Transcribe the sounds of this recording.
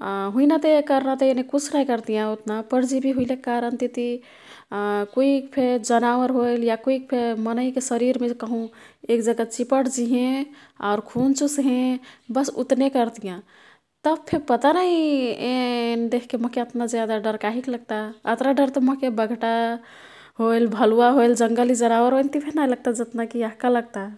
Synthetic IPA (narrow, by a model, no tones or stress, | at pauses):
ɦuinat̪ekəɾnat̪ɔenekut͡ʃʰnajkəɾt̪ijãut̪napəɾd͡ʒibʱiɦujlekkaɾənt̪it̪i | koikpʰed͡ʒənawəɾɦojljakoik̚pʰemənəjkesəɾiɾmẽkəɦũekd͡ʒəɡat͡ʃipəʈd͡ʒiɦẽ | a̰ʊɾkʰunt͡ʃusɦẽbəsṵt̪nekəɾt̪ijã | t̪əb̚pʰeɾpət̪anəiend̪ekʰkeməɦkeət̪nad͡ʒjad̪aɖəɾkaɦikləɡ̚t̪aət̪ɾaɖəɾt̪ɔməɦkebəɡʱʈa | ɦojlbʱəluaɦojld͡ʒəŋɡəlid͡ʒənawəɾɦojnt̪ipʰenajləɡ̚t̪ad͡ʒət̪nakiaɦkaləɡ̚t̪a